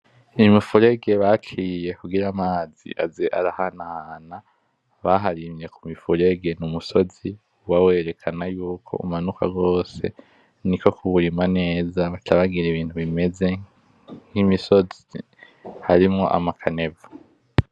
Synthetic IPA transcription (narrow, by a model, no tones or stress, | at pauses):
mifuɾe̞ɡe̞βat͡ʃije̞kuɡiɾamaːzḭʔazeʔaɾahanahana | βaɦaɾimɾe̞kumifuɾe̞ɡe̞numuso̞zi | wawe̞ːɾe̞kʰanajuːkʰo̞̰ṵmanuka̰ɡo̞ːse̞̰ | niko̞kʰuβuɾimane̞ːzaβatʰaβaɡiɾeβiːntuβime̞ze̞ | ŋ̥imiso̞zi | haɾimŋo̞ʔa̰makʰane̞vḁ